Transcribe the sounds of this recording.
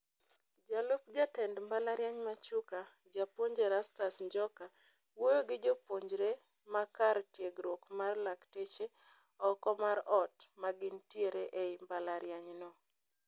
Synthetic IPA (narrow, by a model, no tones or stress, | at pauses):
d͡ʒalop̚d͡ʒatɛndmbalaɾjaɲmat͡ʃuka | d͡ʒapoɲd͡ʒeɾastasɲd͡ʒɔka | wojoɡɪd͡ʒopoɲd͡ʒɾe | makaɾtjeɡɾwokmarlaktet͡ʃe | ɔkɔmaɾɔtmaɡɪntjeɾeʔeimbalaɾjaɲnɔ